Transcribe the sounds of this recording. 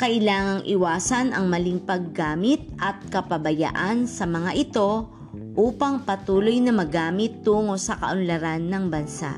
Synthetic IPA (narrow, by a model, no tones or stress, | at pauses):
kɐʔɪlaːŋɐŋʔɪwaːsɐnʔɐŋmɐliŋpɐɡːaːmɪt̪̚ʔɐt̪̚kɐpɐbɐja̰ʔansɐmɐŋaʔɪt̪o̞ | ʔuːpɐŋpɐt̪uːlo̞jnɐmɐɡaːmɪt̪̚ːuːŋo̞sɐkɐ̰ʔʊnlɐɾanːɐŋbɐnsa̰ʔ